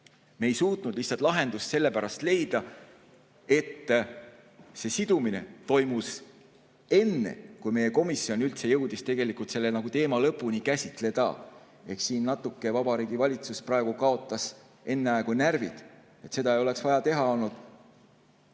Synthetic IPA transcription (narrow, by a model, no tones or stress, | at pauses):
me̞jsuːt̪ˑnud̪̥liçhtsˑɑlt̪lɑɦe̞nd̪usse̞lːepæɾɑst̪le̞jd̪̥ɑ | e̞t̪ː | se̞sid̪̥umine̞̰t̪o̞jmus | e̞nːḛkujme̞jːe̞ko̞misːio̞nylt̪se̞jɤ̞wd̪̥ist̪e̞ɡe̞likˑult̪se̞lːenɑɡ̥ut̪e̞ːmɑlɤpːˑunikæsʲit̪ˑle̞d̪̥ɑ̰ | e̞ksiːnːɑt̪ːˑukːe̞vɑbɑɾiːɡ̥ivɑlʲit̪susprɑe̞ɡ̥ukɑo̞t̪ːˑɑs | e̞nːeɑeɡunærvḭd̪̥ | et̪se̞d̪ɑejo̞le̞ksvɑjɑt̪e̞ɦɑo̞lnud̪̥